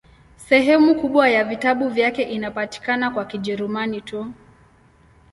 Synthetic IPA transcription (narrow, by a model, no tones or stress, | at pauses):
sɛɦɛmukuɓwajavitaɓuvjakɛʔinapati̥kanakwakiʄɛɾumanitu